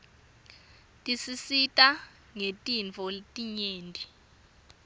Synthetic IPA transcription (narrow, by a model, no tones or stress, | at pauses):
tʼisisitʼa | ŋetʼint͡fʰɔtʼiɲeːndʼʱi